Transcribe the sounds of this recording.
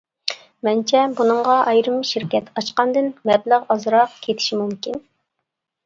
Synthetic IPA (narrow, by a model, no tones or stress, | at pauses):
mɛnt͡ʃʰɛbunɨŋʁɑʔɑjɾɨmʃɪɾkʲɛt̪ʰɑʃqɑnd̪ɨnmɛbləʁɑzɾɑqkʲʰet̪ʰɪ̥ʃimumkʲin